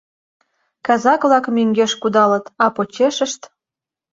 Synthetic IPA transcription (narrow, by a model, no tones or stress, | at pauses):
kɑzɑkβlɑkmyŋɡeʃkud̪ɑlət̪ɑpot͡ɕeʃəʃt̪